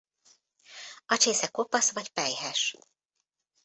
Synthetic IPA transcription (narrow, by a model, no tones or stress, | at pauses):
ɒt͡ʃeːsɛkopɒsʋɒcpɛjhɛʃ